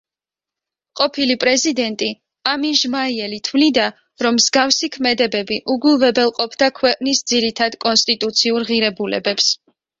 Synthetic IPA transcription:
qʼɔpʰilipʼɾɛzid̪ɛnt̪ʼi | amiʒmaiɛlit̪ʰwlid̪a | ɾɔmːzɡafsikʰmɛd̪ɛbɛbiʔuɡulˠvɛbɛlˠqʼɔpʰd̪akʰwɛqʼnisd̪ziɾit̪ʰad̪kʼɔnst̪ʼit̪ʼut̪sʰiuɾʁiɾɛbulɛ̰bɛps

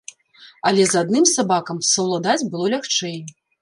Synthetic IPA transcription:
ɐlʲɛzad̪nɨmsabakɐmsɐwlˠad̪ad͡zʲbɨlˠɔlʲaxt͡ʂɛj

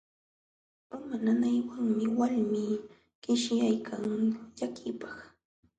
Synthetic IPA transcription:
pamananajwaŋmɪwalmiː | ɢ̥ɪʃjajkʰaŋʎakʰɪpɑ̥χ

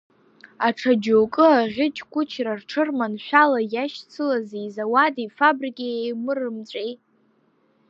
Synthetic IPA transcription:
aʈ͡ʂʰad͡ʒokʼɨaʁʲɪt͡ʃʼkʷʰʼʊt͡ʃʰrarʈ͡ʂʰɨrmanʃʷᶣalajaʃt͡sʰɨlazejzawadifabrikʲʼeejmɨrɨmt͡ɕʷʼejtʼ

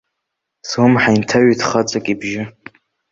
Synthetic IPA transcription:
swʊmħajntʰaɥidχat͡sʼakʲʼibʒɪ

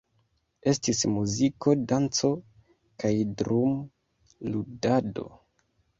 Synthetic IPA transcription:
e̞stismuziko̞dant͡so̞ | kajdɾum | ludado̞̰

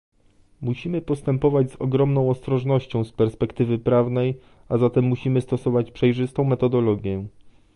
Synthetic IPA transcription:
muɕimɘpɔst̪ɛmpɔvad͡ʑzɔɡɾɔmnɔ̃w̃ɔst̪ɾɔʐnɔɕt͡ɕɔ̃w̃spɛɾspɛkt̪ɘvɘpɾavnɛj | azat̪ɛmːuɕimɘst̪ɔsɔvat͡ɕpʂɛjʐɘst̪ɔ̃w̃mɛt̪ɔd̪ɔlɔɡʲjɛ

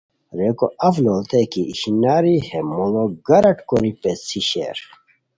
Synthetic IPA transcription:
ɾekoɐfloːlt̪ekiʔiɕinaːɾihemoloɡɐɾɐʈkoɾipet͡sʰiɕḛːɾ

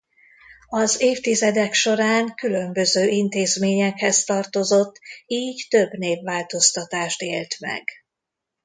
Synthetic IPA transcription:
ɒzeːft̪izɛd̪ɛkʃo̞ɾaːŋkylø̞mbø̞zøːʔint̪eːzmeːɲɛkhɛst̪ɒrt̪o̞zo̞t̪ːiːɟt̪ø̞bneːvːaːlt̪o̞st̪ɒt̪aːʃt̪eːlt̪mɛ̰ɡ

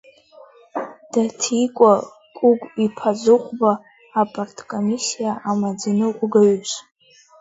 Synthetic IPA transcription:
d̥atʰikʷʼa | kʷʼʊɡʷipʰazɨχʷbaː | pʼartʰʼkʼomisijaʔamad͡zanɨqʷʼʊɡaɥus

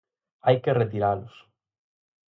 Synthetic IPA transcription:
ajkeret̪iɾalʊs

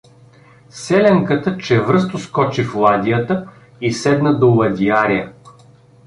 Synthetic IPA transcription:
sɛlʲɛŋkət̪ət͡ʃɛvɾɤs̬t̪oskɔt͡ʃiflˠad̪ʲijət̪ə | isɛd̪nəd̪olˠɐd̪ʲiaɾijə

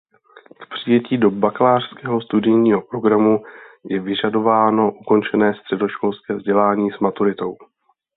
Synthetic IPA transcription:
kpr̝̥ɪjɛciːdo̞baklaːr̥skɛːɦo̞st̪udɪjɲiːɦo̞pɾo̞ɡɾamujɛvɪʒado̞vaːno̞ʔuko̞nt͡ʃɛnɛːst̪r̝̥ɛdo̞ʃko̞lskɛːvzɟɛlaːɲiːsmat̪uɾɪt̪o̞w

